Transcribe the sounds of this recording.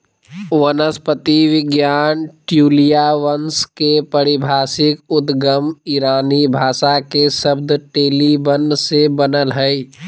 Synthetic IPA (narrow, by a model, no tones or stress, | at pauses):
wənəspət̪iʋɪɡjaːnʈjuːlijaʋənskepəɾɪbʱaːsɪkʊd̪ɡəmiɾaːnibʱaːʃakesəb̚d̪ʈeːlibənsebənəlɦɛi